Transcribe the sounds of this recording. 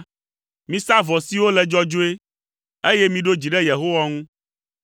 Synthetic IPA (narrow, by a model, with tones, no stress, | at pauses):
mĩ˦sa˦vɔ˨si˨˦wo˦lɛ˨d͡ʒɔ˦d͡ʒo˦e˦ | e˦jɛ˦mĩ˨ɖo˦d͡ʑi˨ɖɛ˦je˨ɦo˦wa˦ŋũ˦